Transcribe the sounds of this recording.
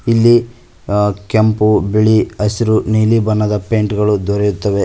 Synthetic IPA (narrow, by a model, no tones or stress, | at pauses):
ilːi | kempubiɭiɐsiɾuniːlibɐnːɐd̪ɐpeːɳʈɡɐɭud̪ʱɔɾejut̪ːɐʋe